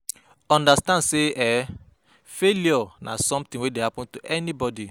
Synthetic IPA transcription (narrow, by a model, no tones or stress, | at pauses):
ɔ̃ndastãndseɛ | feliɔna̰sɔ̃mt̪ĩŋwedehapɔ̃ntuʔɛnibɔdi